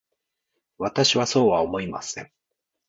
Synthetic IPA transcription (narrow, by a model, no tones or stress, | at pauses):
βat̪aɕiβaso̞ːβaomo̞ima̰sẽ̞̰ŋ